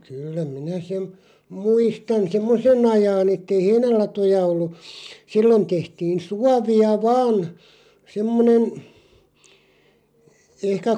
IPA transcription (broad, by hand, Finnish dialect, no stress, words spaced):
kylːæ minæ sem muistɑn semːosen ɑjɑːn etːei heinælɑtojɑ olːu silːon tehtiːn̞ suɑʋiɑ ʋɑːn semːonen ehkæ